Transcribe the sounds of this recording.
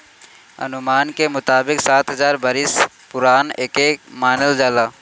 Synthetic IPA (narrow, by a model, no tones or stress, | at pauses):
ɐ̰nʊmaːnkemʊt̪aːbɪksaːt̪ɦɐzaːɾbəɾɪs | pʊɾaːneːkeːkmaːnəld͡ʒaːlaː